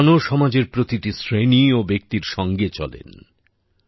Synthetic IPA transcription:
noʃɔmad͡ʑeɾpɾot̪iʈisɾeniobek̚t̪iɾʃɔŋɡet͡ɕɔ̰lḛn

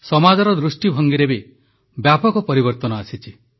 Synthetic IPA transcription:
sɔmad͡ʒɔɾɔd̪ɾusʈibʱɔŋɡiɾebe | bjapɔkɔpɔɾibɔɾt̪ɔnɔasit͡ʃʰi

